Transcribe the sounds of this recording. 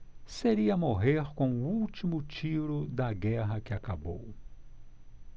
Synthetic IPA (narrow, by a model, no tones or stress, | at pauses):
seɾiɐmoɦeɾkõw̃ʊuwt͡ʃimʊt͡ʃiɾʊd̪ɐɡɛɦɐkɪakabo̰w